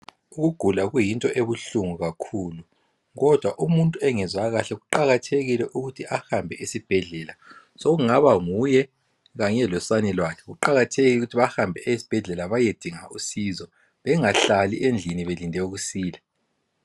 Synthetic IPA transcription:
uɣuɡ̥ʱulaɣujintʼɔʔeβuɬuŋuɣakʰuːlu | ɣɔd̥ʱwaʔumuntʼuɛŋɛzwaɣaɬɛɣuǃaɣatʰeɣilɛʔuɣutʰiʔahambʱɛʔisib̥ʱɛɮɛːla | soɣuŋaβaŋujɛ | ɣaɲɛlɔsanɛlwakʰɛɣuǃaɣatʰeɣiuɣutʰiβahambʱɛʔɛisi̥b̥ʱɛɮɛlaβajed̥ʱiŋaʔusiːzɔ | βɛŋaɬaliʔend͡ɮʱiniβelindʱɛuɣusiːlɛ

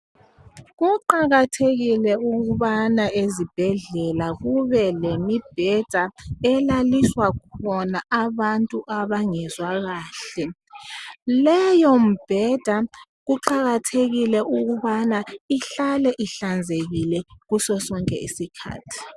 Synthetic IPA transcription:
ɣuǃaɣatʰeɣilɛuɣuβanaezib̥ʱɛɮɛlaɣuβɛlemib̥ʱɛd̥ʱaɛlaliswakɔnaʔaβantʼuʔaβaŋɛzwaɣaːɬɛ | lɛjom̩b̥ʱɛd̥ʱa | ɣuǃaɣatʰeɣilɛʔuɣuβanaiɬalɛʔiɬand͡zʱeɣilɛɣusɔsɔŋkʼɛ̰ʔḭsikʰa̰ːtʰi̥

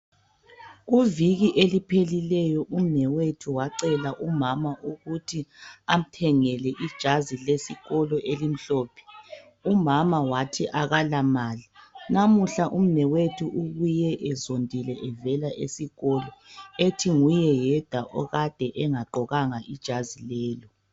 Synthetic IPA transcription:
ɣuviɣiʔelipʰelilɛjɔʔum̩nɛwetʰuwaǀɛlaʔumamaʔuɣutʰiam̩tʰɛŋɛlɛʔid̥ʒ̥ʱazilesiɣɔlɔʔelim̩ɬɔːpʰɛ̥ | umamawatʰiʔaɣalamaːlinamuɬaʔum̩nɛwetʰuʔuɣujɛʔɛzondʱilɛʔɛvɛlaʔesiɣɔlɔetʰiŋujɛjɛd̥ʱaʔɔɣad̥ʱɛʔɛŋaǃɔɣaŋaʔid̥ʒ̥ʱazilɛːlɔ

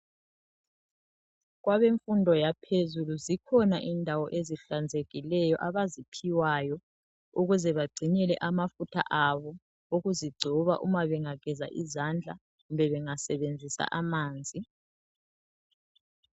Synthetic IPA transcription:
ɣwaβeɱfundʱɔjapʰezuluzikʰɔnaʔindʱawɔʔeziɬand͡zʱeɣilɛjɔʔaβazipʰiwajɔ | uɣuzɛβaɡ͡ǀʱiɲɛlɛ̰ʔamafutʰa̰ʔaβɔ | oɣuziɡ͡ǀʱɔβa̰ʔumaβɛŋaɡ̥ʱɛza̰ʔizand͡ɮʱa | ɣumbʱɛβɛŋasɛβend͡zʱisa̰ʔamaːnd͡zʱi

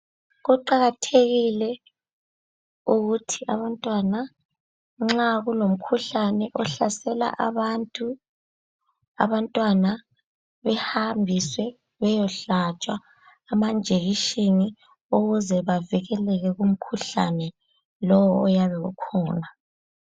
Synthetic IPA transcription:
ɣuǃaɣatʰeɣilɛ | uɣutʰiaβantʼwana | ŋ͡ǁaɣulom̩kʰuɬanɛʔɔɬasɛla̰ʔaβantʼu | a̰βantʼwana | βɛhambʱiswɛ | βɛjɔɬat͡ʃʼwaː | mand͡ʒʱeɣiʃini | uɣuzɛβaviɣɛlɛɣɛɣum̩kʰuɬa̰nɛ | lɔwɔːjaβɛɣṵkʰɔːna

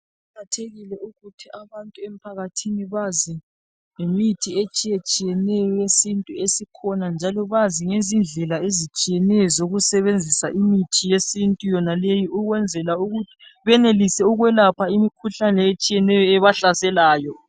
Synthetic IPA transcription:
akʰatʰeɣilɛuɣutʰiaβantʼuem̩pʰaɣatʰiniβazi | ŋemitʰiet͡ʃʼijet͡ʃʼijɛnɛjɔjesintʼuesikʰɔnand͡ʒʱalɔβaziŋezind͡ɮʱɛlaezit͡ʃʼijɛnɛjɔzoɣusɛβend͡zʱisaʔimitʰijesintʼujɔnalejiuɣwɛnd͡zʱɛlauɣutʰi̥βɛnelisɛuɣwɛlapʰaimikʰuɬanɛet͡ʃʼijɛnɛjɔɛβaɬasɛlaːjɔ

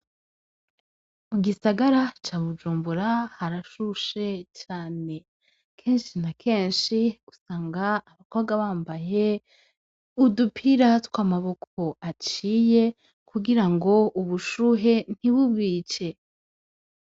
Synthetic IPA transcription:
muɡisaɡaɾat͡ʃaːβud͡ʒuːmbuɾahaɾaʃuʃe̞t͡ʃaːne̞ | kʰe̞ːnʃinakʰe̞ːnʃiusaːŋɡaːβakoβɡaβaːmbaje̞ | udupʰiɾatkwaːmaβo̞kʰo̞at͡ʃiːje̞ | kʰuɡiɾaŋɡo̞ʔuβuʃuɦe̞n̥iβubɡiːt͡ʃe̞

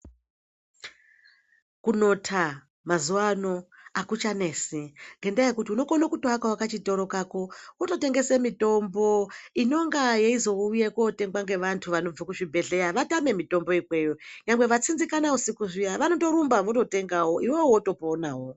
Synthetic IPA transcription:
kuno̞tʰa | mazuwano̞akut͡ʃane̞ːsiŋɡe̞ndaje̞kutiuno̞konokutoakawakat͡ʃito̞ɾo̞kako̞woto̞te̞ŋɡe̞semito̞mbo̞ino̞ŋɡajeizo̞uujekote̞ŋɡwaŋɡe̞ʋantʰuʋano̞b͡vokuʐibʱe̞ɮe̞jaʋatame̞mito̞mbo̞ikwe̞joɲaŋwe̞ʋat͡sinzikanausikuʐijaʋano̞to̞ɾumbaʋoto̞te̞ŋɡawo̞iwewoto̞ponaːwo̞

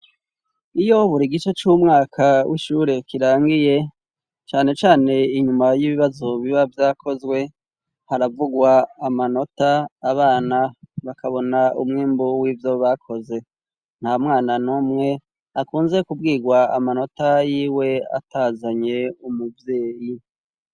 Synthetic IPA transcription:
ijo̞βuɾiɡit͡ʃot͡ʃumŋaːkʰawʔḭʃuɾe̞kiɾaːŋɡije̞ | t͡ʃaːne̞t͡ʃaːne̞iɲumajiβiβazo̞βiβavjaːkʰo̞zwe̞ | haɾavuɡwaːmano̞taːβaːnaβakaβo̞naṵmŋeːmbuwivjoβakʰo̞ze̞ | n̥hamŋaːnanoːmŋe̞ | akuːnze̞kubɡiːɡwaamano̞tajiːwe̞a̰tazaɲe̞umuvje̞ːji

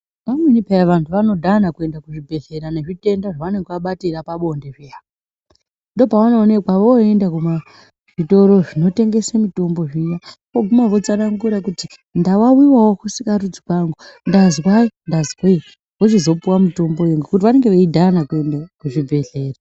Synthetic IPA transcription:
pamenipeaʋantʰuʋano̞dʱanakue̞ndakuʐibʱe̞ɮe̞ɾane̞ʐite̞ndaʐaʋane̞ŋɡʋaɓatirapaɓo̞ndeʐia | ndo̞paanone̞kwaʋoe̞ndakuma | ʐ̥ito̞ɾo̞ʐino̞te̞ŋɡe̞samito̞mbo̞ʐijakoɡʱumaʋo̞t͡sanaŋɡuɾakuti | ndaʋawiwawokusikaɾud͡zikaŋɡundazwaindazwai | ʋot͡ʃizo̞puwamito̞mbojeŋɡukut̬iʋane̞ŋɡe̞ʋeidʱanakue̞ndakuʐibʱe̞ɮe̞ːra

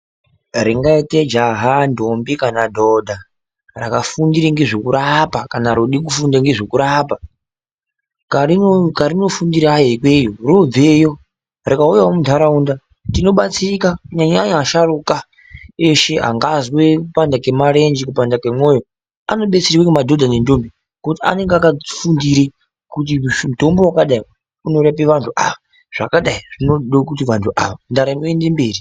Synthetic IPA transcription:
ɾiŋɡaited͡ʒaɦandombikanadʱodʱa | ra̰kafundiɾiŋɡeʐokuɾapakanaɾoɗik̬ufundaŋɡeʐokuɾapa | kikaɾino̞fundiɾajeikwejorob͡vejo̞ | rikaujawomudʰʱaɾaunda | tino̞ɓat͡sikakɲaɲaɲaʃaruka | eʃe̞a̰ŋɡazwekupandakemaɾend͡ʒikupandakemwojo | a̰no̞ɓet͡siɾiwekumadʱodʱanendombi | kotia̰ne̞ŋɡakafundiɾe | kut̬imuto̞mbowakaɗai | uno̞ɾapeʋantʰuʔa̰ʋa | ʐ̥a̰kaɗaiʐ̥inoɗok̬ut̬iʋantʰuʔa̰ʋandaɾanoendembeːri

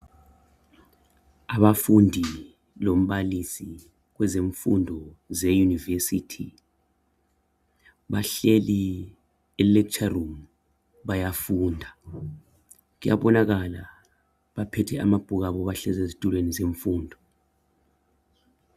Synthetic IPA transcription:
aɓafundʱi | lom̩ɓalisi | k̬wɛzeɱfṵndʱɔzɛjunivesitʰi | ɓaɬeli | ɛlɛt͡ʃʰʼarum | ɓajafuːndʱa | k̬uja̰ɓɔnak̬ala | ɓapʰɛtʰɛamab̥ʱuk̬aɓɔβaɬɛzezitʼulwenizeɱfuːndʱɔ

